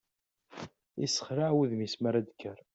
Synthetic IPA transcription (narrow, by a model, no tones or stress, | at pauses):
ḭsːə̥χɾaʕwiðmismaɾæd̪kʰːəɾ